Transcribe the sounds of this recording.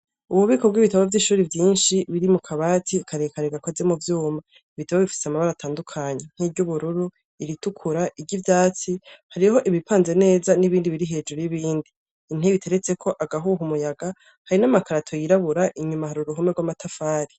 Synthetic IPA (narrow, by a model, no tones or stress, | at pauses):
uβwuβiːko̞b̚ɡwiβitaβavjiʃuːɾivjiːnʃiβiɾimukʰaβaːtʰikʰaɾekaɾeɡakozemuvjuːma | iβitaβaβifi̥seamaβaɾatʰaːndukʰaɲe̞n̥hiːβɟuβuɾuɾu | iɾitukʰuɾaʔiɟivjaːt͡sihaɾiho̞ʔiβipaːnze̞ne̞ːzaniβiːndiβiɾiɦe̞ːd͡ʒuɾujiβiːndiː | n̥eβitʰe̞ɾe̞t͡se̞kʰo̞ʔaɡaɦuɦumujaɡa | haɾinamakaɾatʰo̞jiɾaβuɾaʔiɲumahaɾuɾuɦumeɾɡwamatʰafaːɾi